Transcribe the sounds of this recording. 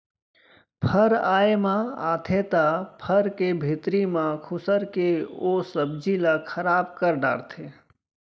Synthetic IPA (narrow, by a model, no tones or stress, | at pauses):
pʰəɾaːemãa̰ːt̪ʰet̪apʰəɾkebʱit̪ɾimãkʰʊsəɾkeosəb̚d͡ʒʱilakʰəɾaːbkəɾɖa̰ːɾt̪ʰe